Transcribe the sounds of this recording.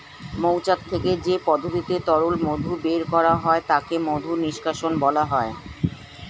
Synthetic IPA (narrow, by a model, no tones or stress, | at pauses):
mowt͡ɕakt̪ʰːeked͡ʑepɔd̪ʱot̪it̪et̪ɔɾulmod̪ʱubeɾkɔɾaɦɔet̪akemod̪ʱuniʃkʰaʃonbɔlaɦɔe